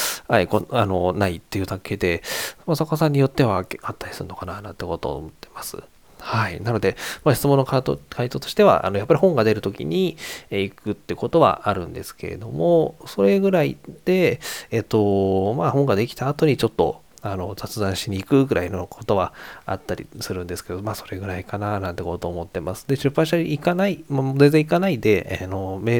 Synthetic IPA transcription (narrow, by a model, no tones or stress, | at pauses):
haikoano̞nait̪ːe̞jɯ̟t̪akːe̞ːd̪e̞masakasãɲ̟ːijo̞t̪ːe̞βaat̪ːaɾʲi̥sɨɾɯ̟no̞kananã̰nt̪ːeko̞t̪o̞̰mot̪ːe̞̥masɨ̰ | hainano̞d̪e̞maɕi̥t͡sɨmonːoakʰait̪o̞ːt̪o̞ɕi̥t̪e̞βa̰ʔa̰no̞japːaɾʲihõ̞ŋɡad̪e̞ɾɯ̟t̪o̞kʲḭɲ̟iikɯ̟t̪ːeɯ̟ko̞t̪o̞βa̰aɾɯ̟̃nd̪e̞̰sɨ̥ke̞̰ɾe̞̰d̪o̞mo̞so̞ɾe̞ɡɯ̟ɾaid̪̥e̞ːt̪ːo̞mahõŋɡad̪e̞kʲi̥t̪aːt̪o̞ɲ̟it͡ɕo̞t̪ːo̞̰ | ano̞d͡zat͡sɨd̪ãɰ̃ɕiɲ̟iːkɯ̟ɡɯ̟ɾʔainokʰo̞̥t̪o̞βa̰a̰t̪ːaɾʲḭsɨɾɯ̟̃nd̪esɨ̥ke̞d̪omaːso̞̥ɾe̞ɡɯ̟ɾaikananãnt̪e̞koot̪oːmo̞t̪ːe̞masɨ̥d̪e̞ɕɨpːãɕit̪aiikanaimaozenzẽ̞ikanaid̪e̞ʔano̞me